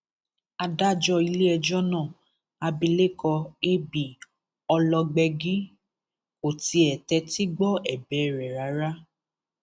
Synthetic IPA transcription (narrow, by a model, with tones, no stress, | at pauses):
a˧da˦d͡ʒɔ˧i˧le˦ɛ˧d͡ʒɔ˦nãː˦˨ | a˧bi˧le˦˨kɔ˧e˦bi˨ | ɔ˧lɔ˧ɡ͡bɛ˧ɡi˦ | o˨ti˧ɛ˨tɛ˧ti˦ɡ͡bɔ˦ɛ˨bɛ˨˦˨ɾɛ˨ɾa˨˦ɾa˦